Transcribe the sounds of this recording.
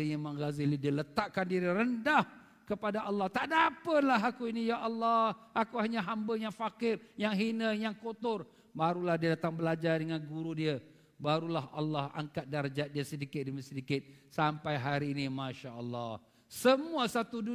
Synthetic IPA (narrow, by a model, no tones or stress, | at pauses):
iimə̃ŋɡazilidiələt̪aʔkandiɾiɾəndah | kəpadaʔalːɑht̪aʔdapəlaɦakuinijaʔɑlːɑʔakuhaɲaɦambəjaŋfakɪrjaŋɦinəjaŋkot̪ʊr | baɾulahdiədat̪aŋbəlad͡ʒardəŋanɡuɾudiə | baɾulaɦa̰lːɑha̰ŋkat̪̚daɾəd͡ʒat̪̚diəsədikɪt̪̚dəməsədikɪt̪̚sampajɦaɾiːnimãʃaʔəlːɑh | səmuasat̪udu